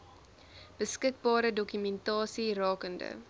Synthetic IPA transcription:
b̥əskək̚bɑːɾədɔkymɛntɑːsirɑːkəndə̰

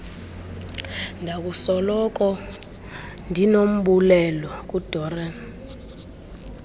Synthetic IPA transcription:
ndʱak̬usɔlɔk̬ʼɔ | ndʱinom̩ɓulɛlɔk̬ʼud̥ʱɔːrɛ

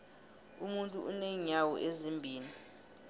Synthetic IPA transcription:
umuntʼṵuneɲawɔ̰ʔezimbʱiːni

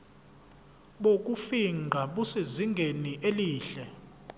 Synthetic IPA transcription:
ɓok̬ʼufiŋʱaɓuseziŋɡʱeniʔeliːɬɛ

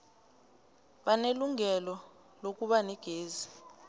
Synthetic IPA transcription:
ɓaneluŋɛlɔ | lok̬ʼuɓaniɡ̥ʱeːzi

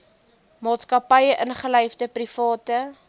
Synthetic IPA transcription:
mɑːtskɐpɐjəʔənχələjfdəprifɑːtə

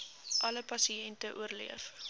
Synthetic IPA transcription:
ʔɐləpɐsiɛntəʔuərlḭəf

